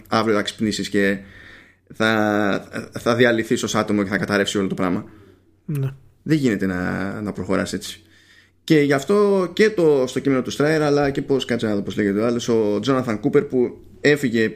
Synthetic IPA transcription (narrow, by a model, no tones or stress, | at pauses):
ɐvɾiot̪ɐksi̥pnisisce̞ | θɐ | θɐðiɐliθisosɐt̪omoce̞θɐkɐt̪ɐɾe̞fsio̞lo̞t̪o̞pɾɐmɐ | n | ðeʝine̞t̪e̞nɐ̰nɐpɾoxo̞ɾɐ̰se̞t͡si̥ | ce̞ʝɐft̪o̞ce̞t̪ost̪o̞cime̞no̞t̪ust̪ɾɐeɾɐlɐce̞po̞skɐt͡sinɐðopozle̞ʝet̪eoɐlo̞so̞d͡zo̞nɐθɐŋkupe̞ɾpu | e̞fiʝe̞